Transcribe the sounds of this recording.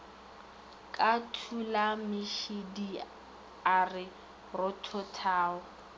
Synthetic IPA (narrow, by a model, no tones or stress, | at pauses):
kʼatʰulamɪʃidi | arɪ | rɔtʰɔtʰaːɔ